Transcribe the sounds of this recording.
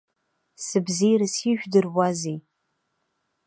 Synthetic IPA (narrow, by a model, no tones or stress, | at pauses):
sɨbziɾɨsiʒʷᶣdɨrwazi